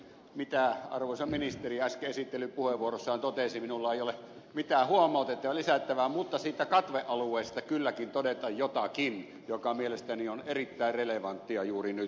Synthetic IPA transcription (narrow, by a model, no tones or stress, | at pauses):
mit̪æɑ̰rʋoˑsɑminist̪eriæskeesit̪ːelypuheʋuorosːɑhɑnt̪ot̪esiminulːɑeijole | mit̪æhuomˑɑˑut̪et̪ːɑʋɑlisæt̪ːæʋæmut̪ːɑsiːt̪ækɑt̪ʋeʔʔɑluˑeˑːst̪ɑkylːækint̪odet̪ɑjjot̪ɑkin | jokɑmielest̪ænionerit̪ːæˑireleʋɑnt̪ːiɑjuːrinyt̪